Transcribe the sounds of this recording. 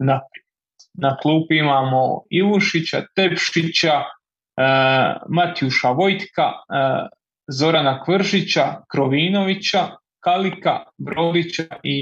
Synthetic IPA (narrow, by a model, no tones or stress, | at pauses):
na | naklˠuːpuimaːmo̰iʋuʃit͡ɕa̰t̪e̞pʃit͡ɕa | mat̪juʃaʋo̞jt̪ka | zo̞ɾanakʋrʒit͡ɕakɾoʋiːno̞ʋit͡ɕa | kalikabɾo̞ːd̪it͡ɕai